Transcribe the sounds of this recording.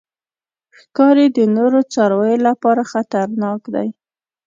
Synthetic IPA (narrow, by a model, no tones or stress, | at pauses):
xkɑɾed̪ənoɾot͡sɑɾwajolapɑɾaxat̪aɾnɑkd̪a̰j